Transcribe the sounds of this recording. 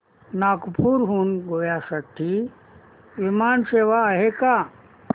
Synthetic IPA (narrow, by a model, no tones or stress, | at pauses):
naːkpʰuɾɦuːnɡoːjasət̪ʰi | ʋimaːnseːʋaːɦeka